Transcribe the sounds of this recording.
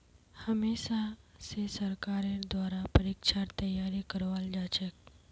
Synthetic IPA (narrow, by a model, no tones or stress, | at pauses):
həmeʃasesəɾkaɾed̪ʋaɾapəɾikʂaɾt̪əjaɾikəɾʋald͡ʒat͡ɕek̚